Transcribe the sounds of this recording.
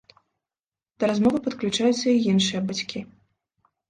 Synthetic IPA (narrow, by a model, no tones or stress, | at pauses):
d̪̥ɐɾazmɔvɨpɐt̪klʲut͡ʂajut̪sːɐijinʂɨjɐbat͡sʲkʲi